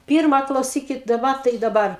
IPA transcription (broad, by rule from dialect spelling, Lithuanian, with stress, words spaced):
ˈpʲɪrmɐ klˠɐʊˈsʲiːkʲɪt dɐˈbɐ tɐɪ dɐˈbɐr